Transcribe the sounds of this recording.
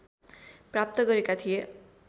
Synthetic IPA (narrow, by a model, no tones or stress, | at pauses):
prap̚t̪ʌɡʌɾekat̪ʰije